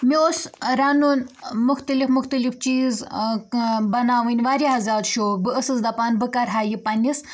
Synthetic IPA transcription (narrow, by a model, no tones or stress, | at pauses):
miosɾanunmuxt̪ɐlifmʊxt̪ɐlift͡ʃiːz | bɐnaːʋɨnʲʋaːɾʲaɦɐzaːɾʃoːbɨəsɨsd̪ɐpaːnbɨkɐɾɦaːjipɐnʲis